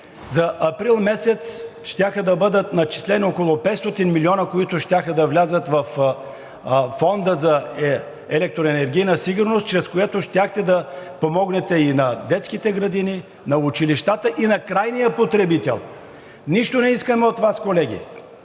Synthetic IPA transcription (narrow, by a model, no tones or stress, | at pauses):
zɐʔɐpɾilˠmɛsɛt̪sʃt̪ʲaxəd̪ɐbɤd̪ət̪nɐt͡ʃi̥slɛniokolˠʊpɛt̪st̪ɔt̪inmiliɔnəkoit̪ʊʃt̪ʲaxəd̪ɐvlʲazət̪vɐf | fɔnd̪əzɐ | ɛlɛk̚t̪ɾoɛnɛɾɡ̟ʲijnəsiɡʊɾnost̪t͡ʃɾɛskojɛt̪oʃt̪ʲjaxt̪ɛd̪ɐpomɔɡnɛt̪ɛinɐd̪ɛt̪skit̪ɛɡɾɐd̪ini | nɐʊt͡ʃiliʃt̪at̪əʔinɐkɾajnijəpot̪ɾɛbit̪ɛ̰lˠ | niʃt̪onɛiskəmɛot̪vaskolɛɡʲḭ